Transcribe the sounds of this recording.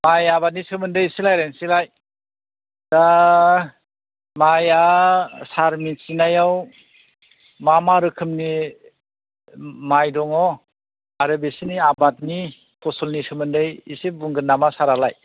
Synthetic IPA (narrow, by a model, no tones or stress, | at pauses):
majabat̚nisɯmɯndɯjisilajɾansilaj | d̥a | majasaɾmit͡ʃinajaw | mamaɾɯkʰɯmni | majdɔŋɔ | aɾɯbesiniabat̚ni | pʰɔsɔlnisɯmɯndɯjisibuŋɡɯnːamasaɾalaj